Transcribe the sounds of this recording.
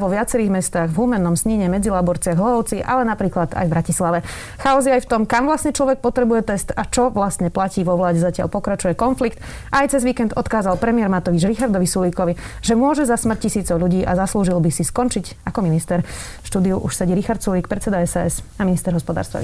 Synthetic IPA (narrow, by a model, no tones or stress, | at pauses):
ʋɔʋɪat͡sɛɾiːɣmɛst̪aːɣvɦuːmɛnːɔmsɲiɲɛmɛd͡zilaːbɔɾt͡sɪaɣɦlɔɦɔʊt͡siʔa̰lɛnapɾiːklad̪a̰jvbɾacislaʋɛ | xaɔziajft̪ɔmkamʋlasɲɛt͡ʃlɔʋɛk̚pɔt̪ɾɛbujɛt̪ɛst̪at͡ʃɔʋlast̪ɲɛplaciːʋɔʋlaːɟɛzacɪa̰ʎpɔkɾat͡ʃujɛkɔnflikt̪ | ʔajt͡sɛzʋiːkɛnd̪ɔt̪kaːzalpɾɛmɪɛɾmat̪ɔʋid͡ʒɾixaɾd̪ɔʋisuliːkɔʋiʒɛmʊɔʒɛzasmr̩c̚cisiːt͡sɔʊʎuɟiːʔazasluːʒilbisiskɔnt͡ʃiɟ | akɔminist̪ɛɾ | ʃt̪uːd̪iuʔuʃsɛɟiɾixaɾt̪suliːk̚pɾɛt͡sːɛd̪aɛsaɛsaminist̪ɛɾɦɔspɔd̪a̰ːɾst̪ʋa̰